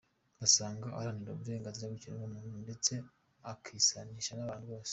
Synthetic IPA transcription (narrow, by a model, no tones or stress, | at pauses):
asaːŋɡaa̰ɾaniɾoβuɾe̞ːŋɡanziɾabɡiciɾeomuːnundet͡se̞ | akʰisaniʃanaβaːnhuβo̞ːse̥